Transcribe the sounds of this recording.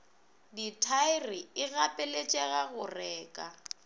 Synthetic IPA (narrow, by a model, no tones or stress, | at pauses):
ditʰaɪrɪɪɣapʼɛlet͡ʃʼɛɣaɣʊrɛːkʼa